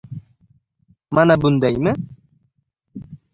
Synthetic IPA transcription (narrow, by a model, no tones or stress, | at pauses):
manabund̪ajmɪ